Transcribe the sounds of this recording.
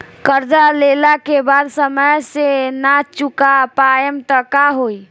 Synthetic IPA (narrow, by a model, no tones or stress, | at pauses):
kəɾd͡ʒalelakebad̪səməjsenat͡ʃukapajəmt̪əkaɦoj